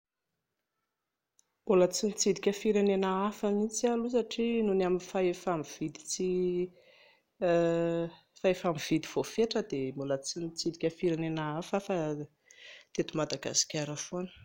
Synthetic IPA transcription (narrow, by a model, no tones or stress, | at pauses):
mulət͡sinit͡sid̪ikʲəfiɾenenaafamit͡sialusaʈ͡ʂinunaminifaefamiv̥id̪i̥t͡si | faefamiv̥id̪iv̥ofeʈ͡ʂəd̪emulət͡sinit͡sid̪ikʲəfiɾenenaafafa | t̪et̪umad̪aɡa̰si̥kʲaɾafonə̥